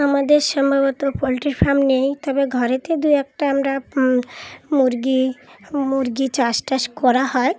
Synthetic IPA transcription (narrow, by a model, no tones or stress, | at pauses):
amad̪eɾʃɔmbʱabɔt̪opɔliʈɾipʰamnejt̪ɔbeɡʱɔɾet̪ed̪ujɛk̚ʈaamɾa | muɾɡi | muɾɡit͡ɕasʈaʃkɔɾahɔe